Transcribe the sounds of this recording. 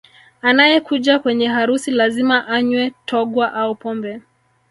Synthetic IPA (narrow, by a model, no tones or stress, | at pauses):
anajɛkuʄakwɛɲɛɦaɾusilazimaʔaɲwɛtʰɔɠwaʔaupɔmbɛ